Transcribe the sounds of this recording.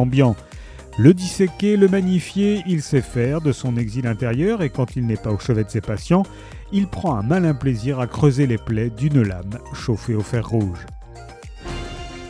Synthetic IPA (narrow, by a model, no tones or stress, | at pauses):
bjɑ̃ | ləd̪isekʲeləmaɲifjeilsɛfɛʁd̪əsɔ̃nɛɡzilɛ̃t̪eʁjœʁekɑ̃t̪ilnɛpaoʃəvɛt̪sepasjɑ̃ | ilpχɑ̃ɛ̃malɛ̃pleziʁakχøzeleplɛd̪ynla̰mʃofeofɛʁːuʒ